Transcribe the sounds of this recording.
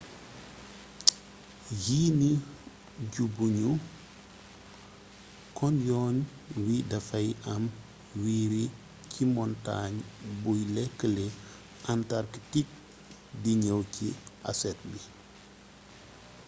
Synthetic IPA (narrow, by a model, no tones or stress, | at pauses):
jiːni | ɟubuɲu | kɔnjɔːn | widɐfɐjʔɐm | wiːɾi | cʰimɔnta̰ɲbujlɛkːəle | ʔantaɾkitik̚ | diɲəwcḭʔa̰sɛt̚bi